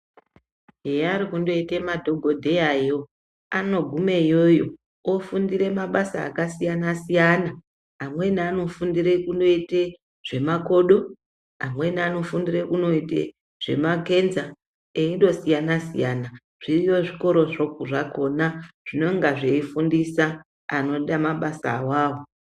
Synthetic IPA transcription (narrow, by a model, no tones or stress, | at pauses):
ɦejaɾikundo̞itemadʱo̞ɡʱo̞dʱe̞jajo | ano̞ɡʱumejo̞jo̞ | ofundire̞maɓasa̰ːkasijanasijanaː | mwe̞niano̞fundiɾe̞kundo̞ite | ʐ̥e̞mako̞ɗo̞ | a̰mwe̞niano̞fundire̞kuno̞itḛ | ʐ̥e̞̰make̞nza | eindo̞sijanasijana | ʐ̥irijoʐiko̞ɾo̞ʐokuʐako̞naʐ̥ino̞ŋɡaʐeifundisa | ano̞ɗamaɓasa̰waːwo